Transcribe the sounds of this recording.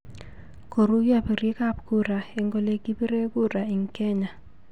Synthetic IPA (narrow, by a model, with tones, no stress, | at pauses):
ko˨ɾu˦ja˦˨pɾi˦ka˦pɡu˦ɾa˨e˨ŋɡo˦le˦ɡi˦pi˦ɾe˦ɡu˦ɾa˨i˨ŋkɛ˦ɲa˨